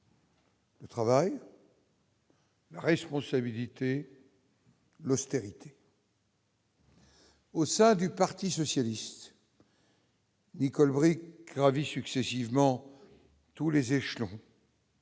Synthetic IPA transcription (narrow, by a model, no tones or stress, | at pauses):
lət̪χavaj | laʁɛspɔ̃sabilit̪e | lɔst̪eʁit̪ʰe̥ | osɛ̃d̪ypaʁt̪isɔsjalist̪ | nikɔlbʁik̚ɡʁavisyksɛsivmɑ̃ | t̪ulezeʃlɔ̃